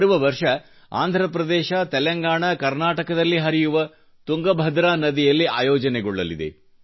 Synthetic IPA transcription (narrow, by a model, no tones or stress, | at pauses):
ɾuʋɐʋɐɾʂɐ | a̰ːnd̪ʱɾɐpɾɐd̪ɛːʃɐt̪ɛlɐŋɡaːɳɐkɐɾnaːʈɐkɐd̪ɐlːiɦɐɾijuʋɐ | t̪uŋɡɐbʱɐd̪ɾaːnɐd̪ijɐlːiʔaːjɔːd͡ʒɐnɛɡɔɭːɐlḭd̪ḛ